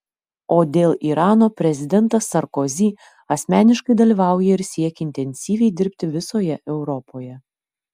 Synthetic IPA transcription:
oːd̪ʲeːlˠʔiːɾɑːnoːpʲɾʲɛzʲɪd̪ʲɛnt̪ɐsːɐɾkɔzʲiː | ɐsʲmʲæːnʲɪʃkɐɪd̪ɐlʲiːʋɑˑʊjɛɪɾsʲiɛkʲːɪnʲt̪ʲɛnʲsʲiːʋʲɛɪd̪ʲɪɾʲpʲt̪ʲɪʋʲɪsoːjɛʔɛʊɾɔpʰoːjɛ

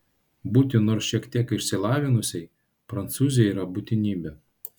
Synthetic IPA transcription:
buːt̪ʲɪnoːɾsʃʲiɛkt̪ʲiɛkɪʃʲsʲɪlˠɑːʋʲɪnʊsʲɛɪ | pɾɐnt̪suːzʲɪjɛiːɾɐbut̪ʲɪnʲiːbʲɛ

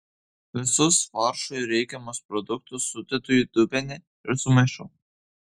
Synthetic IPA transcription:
ʋʲɪsʊsfɑɾʃʊjɾʲɛɪkʲɛmɔspɾɔd̪ʊk̚t̪ʊsːʊt̪ʲɪt̪ʊjud̪ʊbʲɛnʲɛ | ɪɾsʊmɛʃʊ

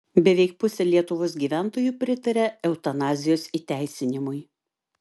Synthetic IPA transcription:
bʲɛʋʲɛɪk̚pʊsʲɛlʲiɛt̪ʊʋoːsɡʲiːʋʲæˑnt̪oːjuːˑpʲɾʲɪt̪ɐɾʲɛɛʊt̪ɐnɑːzʲɪjoːsit̪ʲæɪsʲɪnʲɪmʊɪ

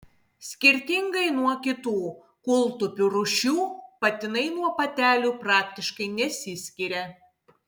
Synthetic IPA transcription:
sʲkʲɪɾʲt̪ʲɪŋɡɐɪnuɔkʲɪt̪uː | kʊlˠt̪ʊpʲuɾʊʃʲuːpɐt̪ʲɪnɐɪnuɔpɐt̪ʲæːlʲuːpɾɑːkʲt̪ʲɪʃkɐɪnʲɛsʲɪsʲkʲiɾʲɛ

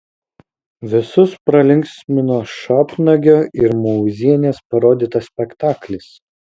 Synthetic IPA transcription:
ʋʲɪsʊspɾɐlʲɪŋʲksʲmʲɪnoːʃɑːpnɐɡʲoːɪɾmɔʊzʲiɛnʲeːspɐɾoːd̪ʲiːt̪ɐsʲpʲɛkt̪ɑːklʲɪs

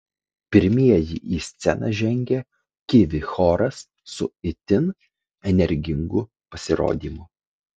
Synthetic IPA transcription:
pʲɪɾʲmʲiɛjɪ̰ʔiːsʲt̪sʲɛnɑ̰ʒʲɛŋʲɡʲɛ | kʲɪʋʲɪxoːɾɐsː | ʊɪt̪ʲɪn | ɛnʲɛɾʲɡʲɪŋɡʊ | pɐsʲɪɾo̰ːd̪ʲiːmʊ

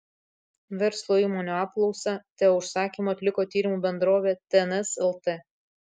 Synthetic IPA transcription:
ʋʲɛɾslˠoːiːmoːnʲoɑːp̚klˠɔʊsɑt̪ʲɛʊʃsɑːkʲiːmoɐt̪ʲlʲɪkoːt̪ʲiːɾʲɪmuːbʲɛnd̪ɾoːʋʲeːt̪ʲɛɛnɛsɛlˠt̪e

